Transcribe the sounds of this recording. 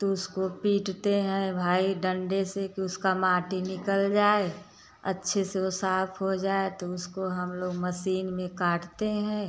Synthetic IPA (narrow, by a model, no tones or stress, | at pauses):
t̪oʊskopiːʈt̪eɦɛ̃bʱaːiɖə̃ɳɖesekiʊskamaːʈinɪkəld͡ʒaːe | ɐ̰tːʃʰeseosaːpʰɦod͡ʒaːet̪oʊskoɦɐmloːɡməsiːnmẽkaːʈt̪eɦɛ̃ː